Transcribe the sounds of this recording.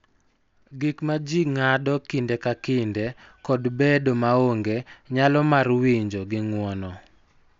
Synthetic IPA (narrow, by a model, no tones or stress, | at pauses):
ɡikmad͡ʒiŋadɔkɪndɛkakɪndekɔdbedomaoŋɡeɲalɔmarwiɲd͡ʒoɡɪŋwɔnɔ